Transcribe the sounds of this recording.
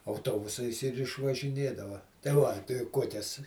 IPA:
ɐʊˈtoːbʊsɐɪs ɪr ɪʃʋɐʒʲɪˈnʲeːdɐʋɐ tɐɪ ˈʋɐ tɐɪ ˈkuɔkʲɛs

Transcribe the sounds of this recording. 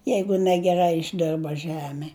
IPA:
ˈjɛɪɡʊ nʲɛɡʲɛˈrɐɪ ɪʒʲˈdʲɪrbɐ ˈʒʲæːmʲɛ

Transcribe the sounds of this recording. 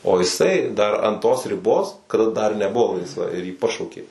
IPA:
oː ɪˈsɐɪ dɐr ɐn toːs rʲɪˈboːs kɐˈdɐ dɐr nʲɛˈbʊˈʋoː lˠɐɪsˈʋɐ ɪr jiː ˈpɑːʃɐʊkʲeː

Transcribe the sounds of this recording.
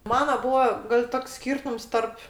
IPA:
ˈmɑːnɐ ˈbuːɐ ɡɐlʲ ˈtoːks ˈsʲkʲiːrtʊms ˈtɐrp

